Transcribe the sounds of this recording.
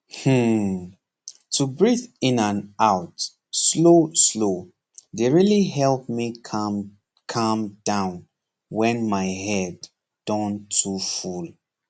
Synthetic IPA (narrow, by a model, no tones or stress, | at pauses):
h̩ | tʰubɹiθĩnãnaʊt | sloslo | deɹiliɦɛlˠp̚mikʰm | kʰʌ̃md̥ãʊ̃n | wɛ̃nmaɪɦɛd | d̥ɔ̃ntʰuful